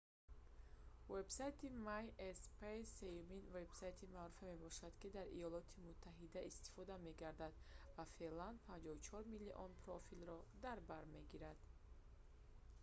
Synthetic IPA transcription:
ve̞bsajt̪ʰimajespʰese̞juminve̞bsajt̪ʰimaɾufime̞bɔʃad̪kid̪aɾḭjɔlɔt̪ʰimut̪ʰːaɦid̪aʔist̪i̥fɔd̪ame̞ɡaɾd̪ad̪vafe̞land̪̚pʰand͡ʒɔvut͡ʃʰɔɾmilːiʔɔnpʰɾɔfilɾɔd̪aɾbaɾme̞ɡiɾad̪̥

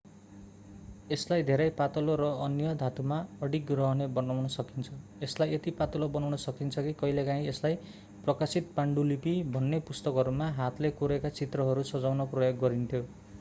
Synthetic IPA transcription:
eslajd̪ʱeɾʌjpat̪ʌloɾʌʌnjʌd̪ʱat̪umaʌɽik̚ɡrʌɦʌnebʌnawnʌsʌkint͡sʰʌeslajet̪ipat̪ʌlobʌnawnʌsʌkint͡sʰʌkikʌɦilekãĩeslaj | prʌkasit̪̚paɳɖulipibʱʌnːepust̪ʌkʌɾumaɦat̪ʰlekoɾekat͡sit̪rʌɦʌɾusʌd͡zawnʌprʌjoɡːʌɾint̪ʰjo

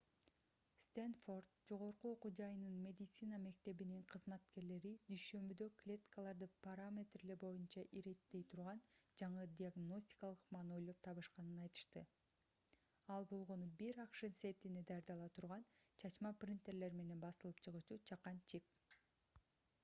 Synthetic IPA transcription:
st̪enfo̞rd̪d͡ʒo̞ʁo̞ɾquoqud͡ʒɑjɯnɯnmʲe̞d̪ʲit̪sinɑme̞k̚t̪e̞βiniɴqʰɯzmɑt̪ke̞ɾle̞ɾid̪yjʃø̞mbyd̪ø̞klʲe̞t̪kalˠɑɾd̪ɯpaɾamʲe̞t̪rilebo̞junt͡ʃɑʔiɾe̞t̪ːe̞jt̪ʰuɾʁɑnd͡ʒɑɴɯd̪ʲiaɡno̞sʲtʲi̥kɑalˠɯqmɑno̞jlˠop̚t̪ʰɑβɯʃqɑnɯnɑjt̪ɯ̥ʃt̪ɯ | ɑlˠbo̞lˠʁo̞nubiɾɑqʃɯnse̞t̪ined̪ɑjɑɾd̪ɑlˠɑt̪ʰuɾʁɑnt͡ʃʰɑt͡ʃmɑprʲint̪e̞ɾle̞ɾme̞ne̞nbɑsɯlˠɯpt͡ʃʰɯʁɯt͡ʃut͡ʃʰɑqːɑnt͡ʃʰip̚

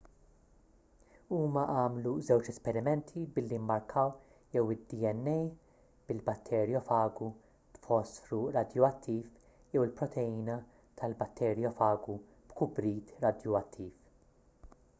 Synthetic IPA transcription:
uːmɐʔɐːmluzɛwt͡ʃɛspɛɾɪmɛnt̪ʰibɪlːimːɐɾkʰɐw | jɛwɪd̪iɛnːɛj | b̥ɪlbɐt̪ʰːɛɾjɔfɐːɡu | t̪fɔsfɾuɾɐd̪jɔɐt̪ʰːiːf | jɛwɪlpɾɔt̪ʰɛiːnɐ | t̪ʰɐlbɐt̪ːɛɾjɔfɐːɡu | b̥kʊbɾiːt̪ɾɐd̪jɔɐt̪ʰːiːf

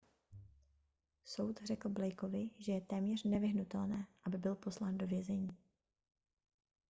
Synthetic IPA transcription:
so̞wt̪rɛkl̩blɛjko̞vɪʒɛjɛt̪ɛːmɲɛr̝nɛvɪɦnut̪ɛlnɛːʔabɪbɪlpo̞slaːndovjɛzɛɲiː

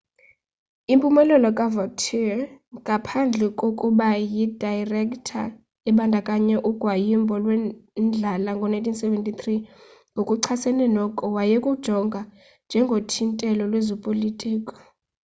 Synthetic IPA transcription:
impʼumɛlɛlɔkʼavɔk̚tʰiŋɡʱapʰand͡ɮʱɛkʼokʼuɓajid̥ʱajrɛkʼtʰa̰ | ɛɓandʱakʼaɲɛʔuɡ̥ʱwajimbʱɔlwɛnd͡ɮʱalaŋɡʱɔnajntʰinsɛvɛntʼit̪ri | ɡʱokʼuǀʰasɛnɛnɔkʼɔwajekʼud̥ʒ̥ʱɔŋɡʱa | nd͡ʒʱɛŋɡʱotʰintʼɛlɔlwezɔpʼolitʼiːkʼɔ̥

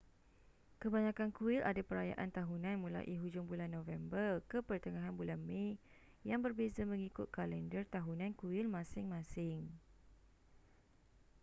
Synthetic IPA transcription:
kəbaɲãkankuɪlʔadapəɾaja̰ʔant̪aɦunãnmũla̰ʔiɦud͡ʒʊŋbulanːɔ̃vɛmbərkəpərt̪əŋaɦanbulanmẽ | jaŋbərbezamə̃ŋikʊt̪̚kalɛndərt̪aɦunãnkuɪlmãsɪŋmãsɪŋ

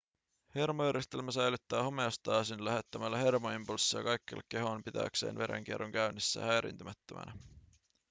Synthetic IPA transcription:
he̞rmojæɾjest̪e̞lmæsæjlyt̪ːæːhome̞ost̪ɑːsinlæɦe̞t̪ːæmælːæhe̞rmoimpulsːiɑ̰kɑjkːḛlːekːe̞ɦonpit̪æ̰kse̞̰ːnʋe̞̰ɾe̞̰ŋk̟ierːoŋkæynːisːæ̰hæjɾʔḭnt̪ymæt̪ːømʔæ̰næ

